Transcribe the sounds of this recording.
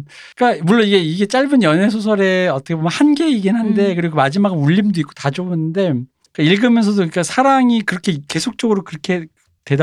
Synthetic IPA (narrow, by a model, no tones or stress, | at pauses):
k͈amuɭːoniɡe̞iɡe̞t͡ɕ͈aɭbɯnjʌnɦe̞sʰosʰʌɾe̞ʌt͈ʌkʰebomjʌnhanɡeiɡinɦande̞k̬ɯɾiɡomad͡ʑimaɡɯnuʎːimdoik͈o̥tad͡ʑoɯnːɯnde̞ | k͈aiɭɡɯmjʌns̬ʰʌdokɯik͈asʰaɾaŋikɯɾʌkʰe̞ke̞sʰok̚t͡ɕ͈ʌɡɯɾokɯɾʌkʰe̞ | te̞d